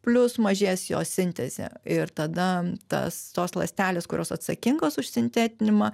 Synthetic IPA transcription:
pʲlʲʊsmɐʒʲeːsjo̰ːsʲɪnʲt̪ʲɛzʲḛːɪɾt̪ɐd̪ɐt̪ɐ̰st̪oːslˠɐ̰sʲt̪ʲæːlʲeːskʊɾʲo̰ːsɐt̪sɐkʲɪŋɡoːsʊʃʲsʲɪnʲt̪ʲæːt̪ʲɪnʲɪmɐ

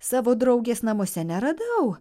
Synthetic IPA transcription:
sɑːʋoːd̪ɾɐʊɡʲeːsnɐmoːsʲɛnʲɛɾɐd̪ɐʊ

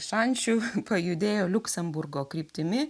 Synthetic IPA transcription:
ʃɐnʲt͡ʃʲʊpɐjʊd̪ʲeːjoːlʲʊksʲɛmbʊrɡoːkɾʲiːpʲt̪ʲɪmʲɪ

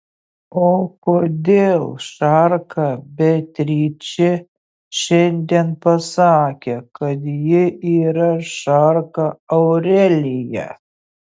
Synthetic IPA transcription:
oːkoːd̪ʲeːlˠʃɑrkʰɐbʲɛt̪ʲɾʲiːt͡ʃʲɪ | ʃʲɛnʲd̪ʲeːnpɐsɑːkʲekɐt̪jɪiːɾɐʃɑrkɐɐʊɾʲɛlʲɪjɛ̰

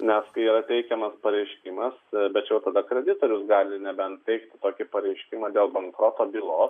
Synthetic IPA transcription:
nʲɛskɐɪiːɾɐt̪ʲɛɪkʲɛmɐspɐɾʲɛɪʃʲkʲimɐsbʲɛt̪jɛʊt̪ɐd̪ɐkɾʲɛd̪ʲɪt̪oːɾʲʊsɡɑːlʲɪnʲɛbʲɛnt̪ʲɛɪkt̪ʲɪt̪oːkʲɪpɐɾʲɛɪʃʲkʲɪmɐːd̪ʲeːlˠbɐŋkɾoːt̪oːbʲɪlˠoː

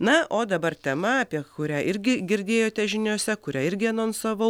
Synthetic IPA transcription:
nɐʔoːd̪ɐbɐrt̪ʲɛmɐɐpʲiɛkʊɾʲæːʔɪɾʲɡʲɪɡʲɪɾʲd̪ʲeːjoːt̪ʲɛʒʲɪnʲoːsʲɛkʊɾʲæːɪɾʲɡʲɪɐnoːnsoːʋɐʊ

